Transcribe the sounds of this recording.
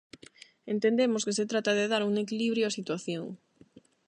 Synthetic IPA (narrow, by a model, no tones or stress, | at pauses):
ent̪end̪emoskeset̪ɾat̪aðeðaɾuŋekiliβ̞ɾjoasit̪waθjoŋ